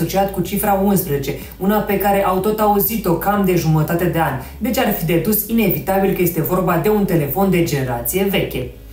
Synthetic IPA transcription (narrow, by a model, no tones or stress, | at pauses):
o̞t͡ʃiat̪kut͡ʃifɾaunspɾezet͡ʃe̞ | unape̞kaɾe̞ʔawt̪o̞t̪auzit̪o̞kamd̪e̞ʒumət̪at̪e̞d̪e̞anʲ | d̪e̞t͡ʃʲarfid̪e̞d̪usine̞vit̪abilkəje̞st̪e̞vo̞rbad̪e̞unt̪e̞le̞fo̞nd̪e̞d͡ʒe̞ne̞ɾat̪sije̞ve̞kʲe̞